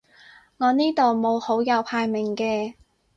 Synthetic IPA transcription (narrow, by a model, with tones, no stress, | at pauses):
ŋɔː˨˧niː˥t̪o˨wmo˨˧who˨˥wjɐ˨˧wpʰaː˧jmɪ˨˩ŋkɛː˧